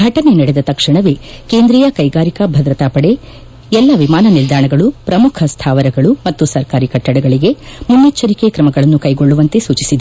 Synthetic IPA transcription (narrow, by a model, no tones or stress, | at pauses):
ɡʱɐʈɐne̞nɐɽed̪ɐt̪ɐkʂiɳɐʋeke̞ːnd̪ɾɛjɐkɐjɡaːɾikɐbʱɐd̪ɾɐt̪aːpɐɽe | ɛlːɐʋimaːnɐnild̪ʱaːɳɐɡɐɭupɾɐmukʰɐst̪ʰaːʋɐɾɐɡɐɭumɐt̪ːusɐɾkaːɾikɐʈːɐɽɐɡɐɭiɡe̞munːit͡ʃːɐɾikekɾɐmɐɡɐɭɐnːukɐjɡo̞ɭːuʋɐnt̪e̞suːt͡ʃisid̪e